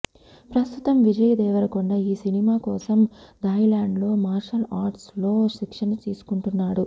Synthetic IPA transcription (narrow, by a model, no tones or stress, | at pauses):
pɾɐst̪ut̪ɐmʋid͡ʒɐjɐd̪ɛːʋɐɾɐkuɳɖaːiːsinimaːkɔːsɐmd̪ɐjlaːɳɖlo̞ːmaːɾʂɐlaːɾʈslo̞ːʃikʂɐnɐt̪iːsu̥kuɳʈunːaːɽu